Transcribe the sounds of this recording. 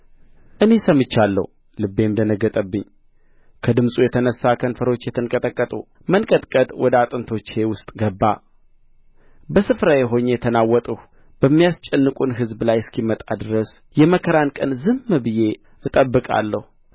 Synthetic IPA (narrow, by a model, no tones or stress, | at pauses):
ʔɨne̞səmːɨt͡ʃːalːə̰h | lɨbːe̞md̪ənəɡːət̪ʼəbːɨɲː | kʰəd̪ɨmsʼujɛt̪ʰənəsːakʰənfəɾo̞t͡ʃːjɛt̪ʰɨnkʼət̪ʼəkʼːət̪ʼu | mənkʼət̪ʼkʼət̪ʼwɔd̪əat̪ʼɨnt̪ʰo̞t͡ʃːhe̞wʊst̪ʼɡəbːa | bəsɨfɾajɛɦo̞ɲjɛt̪ʰənawːɔt̪ʼəh | b̥əmːijast͡ʃʼɛnːɨkʼunɦɨzblajskʰimət̪ʼad̪ɨɾəs | jɛməkʰəɾankʼənzɨmːɨbɨje̞ | ɨt̪ʼəbːɨkʼa̰lːəhu